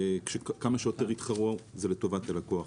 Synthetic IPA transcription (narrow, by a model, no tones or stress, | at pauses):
kʃekkamaʃeoteʁit̪χaʁozeleto̞vat̪alakoaχ